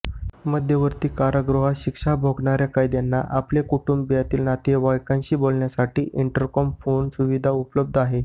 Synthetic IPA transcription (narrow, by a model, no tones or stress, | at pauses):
məd̪ʱjəʋəɾt̪iːkaɾəɡɾoɦaɕikʂabʱoɡɳaɾjakajd̪janːaʔaplekuʈumbbjat̪iːlnat̪eʋajkãnɕiːbolɳjasaʈiːʔiɳʈəɾkɔmfonsuʋid̪ʱaupləb̚d̪ʱaɦe